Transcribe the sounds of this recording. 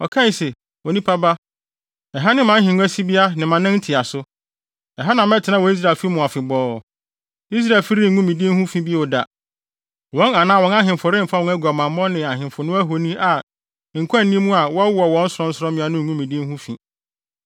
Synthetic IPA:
ɔ˨kʰã˦n˨se˨ | wɔ˨nĩ˦pʰa˦ba˦ | ɛ˨ɦa˦nɪ̃˦mã˨˦ɦɪ̃˨ñ˦æ˦si˦bi˦a˦nɪ̃˨mã˨nɪ̃˦n̩˦tʰɪ˨a˨sʊ˦ | ɛ˨ɦa˦nã˨mɛ˦tʰɪ˨nã˦wɔ̃˨˦i˦s̬ɾaː˨lfi˦ɾi˦mʊ̃˨a˨fɪ˨bɔː˦˨ | i˦s̬ɾa˦˨fi˦ɾi˦˨˦ŋũ˦mĩ˨di˦e˦hũ˦fĩ˦bi˦ɛ˦wʊ˨da̰˨ | wɔ̃˦na˨nãː˦wɔ̃˨˦na˦ɦɪ̃˨mfʊ˨ɾɪ̃˦m̩˨fa˦wɔ̃˨˦æ˦ɡa˨mã˨m˦mɔ̃˦nɪ̃˨a˨ɦɪ̃˨m˨fʊ˨nʊ̃˦æ˦ɦo˨nĩ˦ʔa˨ | ŋ̩˨kʰʷã˦˨n˨nĩ˦mũ˦a˨wɔ˦wu˦ɔ˨wɔ̃˨˦n̩˦sʊ˨ɾɔ̃˦n̩˦sʊ˦ɾɔ̃˦mɪ̃˦a˦nʊ̃˦ŋ̩˨ŋũ˦mĩ˨di˦e˦ɦũ˦fḭ̃˨

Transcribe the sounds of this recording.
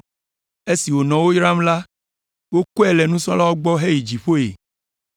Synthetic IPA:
e˦si˨wo˨nɔ̃˨wo˦jɾa˦mla˦ | wo˦ku˦ɛ˦˨lɛ˨nũ˦sɔ̃˦la˦wɔ˦ɡ͡bɔ˦ɦe˦ji˨d͡ʒi˨ɸo˦ḛ˨

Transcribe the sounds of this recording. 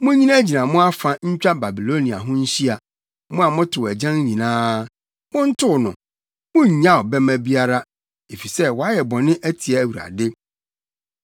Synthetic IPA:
mʊ̃˦ɲĩ˦nã˦d͡ʑi˨nã˨mʊ̃˦a˦fã˦ɲ̩˦t͡ɕᶣa˦ba˨bi˨lo˦nĩ˨a̰˨ɦʊ̃˦ɲ̩˦ɕi˦a˨ | mʊ̃˦a˨mʊ̃˦tʰʊ˨wæ˨d͡ʑã˦ŋ˦ɲĩ˨nãː˦ | mʊ̃˦n̩˦tʰʊ˦˨nʊ̃˨ | mʊ̃˦ɲ̩˨ɲã˦ɔ˨bɛ˦mæ̃˦bi˦a˦ɾa˦ | e˨fi˨sɛ˦wɔ˨a˦jɛ˨bɔ̃˨nɪ̃˦ʔæ˦tʰi˨ɛ˨wu˨ɾa̰˨de˦

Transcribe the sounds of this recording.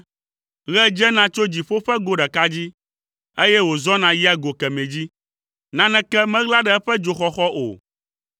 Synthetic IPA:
ɣɛ˦d͡ʒɛ˦nã˦t͡ʃo˦d͡ʑi˨ɸo˦ɸɛ˦ɡo˦ɖɛ˨ka˦d͡ʑi˦ | e˦jɛ˦wo˨zɔ˦nã˨ji˦a˨ɡo˨kɛ˨mẽ˨d͡ʑi˦ | nã˦nɛ̃˦kɛ˦mɛ̃˦ɣla˦ɖɛ˨ɛ˦ɸɛ˦d͡ʒo˨xɔ˦xɔ˦ʔo̰˨

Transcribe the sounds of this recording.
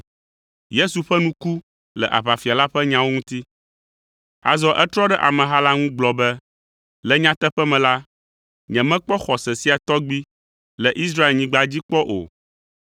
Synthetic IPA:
je˦su˨ɸɛ˦nũ˦ku˦ | lɛ˨ʔa̰˨βa˨fi˨a˨la˦ɸɛ˦ɲã˦wo˦ŋũ˦t̪i˦ | a̰˨zɔ˦ʔɛ˦t̪ɾɔ˦ɖɛ˦ʔa˨mɛ̃˨ɦa˦la˦ŋũ˦ɡ͡blɔ˨bɛ˦ | lɛ˨ɲã˦t̪ɛ˦ɸɛ˦mɛ̃˨la˦ | ɲɛ̃˨mɛ̃˦k͡pɔ˦xɔ˨sɛ˨si˦a˨t̪ɔ˦ɡ͡bi˦ | lɛ˨ʔi˦s̬ɾa˦e˨lɲĩ˦ɡ͡ba˨d͡ʑi˦k͡pɔ˦ʔo̰˨

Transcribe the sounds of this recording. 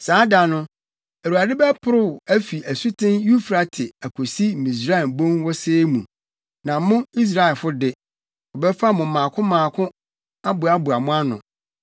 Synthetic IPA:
saː˨˦da˨nʊ̃˦ | æ˨ɾu˨a˨dɪ˦bɛ˦pʰʊ˦ɾʊ˦˨æ˦fi˨ʔæ˨su˦tʰɪ̃˦nju˦fɾa˨tʰɪ˨æ˨kʰo˨si˦˨mĩ˨s̬ɾa˦ɛ˨bõ˦ŋwɔ˦seː˦mṵ̃˨ | nã˨˦mʊ̃˦i˦s̬ɾa˦ɛ˨fʊ˦dɪ˦ | ɔ˨bɛ˦fa˦mʊ̃˨mãː˨kʰʊ̃˦mãː˨kʰʊ̃˦ | a˦bʊ˨a˦bʊ˨a˨mʊ̃˦a˦nʊ̰̃˨

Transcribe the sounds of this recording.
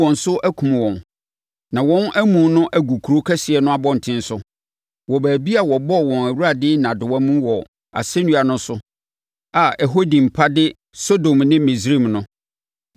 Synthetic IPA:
ɔ̃˨n˨sʊ˦ʔæ˦kʰũ˨m˨wɔ̃˨n | nã˨wɔ̃˦nʔæ˦mũ˨˦nʊ̃˦ʔæ˦ɡu˨kʰu˨ɾo˦kʰɛ˦sɪ˨ɛ˨nʊ̃˦a˦bɔ˦n̩˨tʰɪ̃˦n̩˦sʊ˦ | wɔ˨bæː˨bi˦a˨wɔ˨bɔ˦wɔ̃˨næ˨wu˦ɾa˨dɪ˦nã˨dʊ˨wã˦mũ˦wɔ˨ | a̰˨sɛ˦nũ˦a˨nʊ̃˦sʊ˦ | a˨ɛ˨ɦo˦dĩ˨m̩˨pʰa˦dɪ˦ | so˦do˨mnɪ̃˦mi˨sɾi˦˨mnʊ̃˦

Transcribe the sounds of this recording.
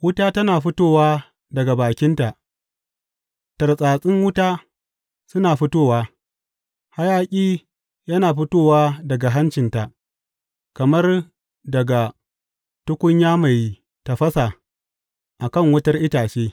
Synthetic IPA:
wʊ˦taː˦tɐ˦naː˨ɸʊ˦toː˦waː˦ | dɐ˨ɡa˨baː˨kʲɪ˦nta˨ʔ | tɐ˨rsʼaː˨sʼɪ˦ŋwʊ˦taː˦ | sʊ˦naː˨ɸʊ˦toː˦˨waː˦ | ha˦jaː˦kʲʼiː˦ | jɐ˦naː˨ɸʊ˦toː˦˨waː˦dɐ˨ɡa˨ɦa˦nt͡ʃɪ˨nta˨ʔ | kɐ˨mɐ˦r | dɐ˨ɡa˨ | tʊ˦kʷʊ˦ɲjaː˦ma˨j | ta˨ɸɐ˦sa˨ | ʔa˨kɐ˦˨ŋwʊ˦tɐ˦rʔɪ˦taː˨t͡ʃeː˦

